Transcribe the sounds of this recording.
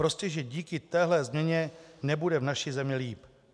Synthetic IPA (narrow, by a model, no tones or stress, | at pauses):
ɾo̞scɛʒɛɟiːkɪt̪ɛːɦlɛzmɲɛɲɛnɛbudɛvnaʃizɛmɲɛliːp